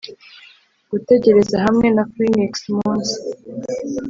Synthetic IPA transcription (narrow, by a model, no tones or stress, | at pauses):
ɡ̥ute̞ɟe̞ɾe̞zaɦamŋe̞nafɾiniksmuːnzi̥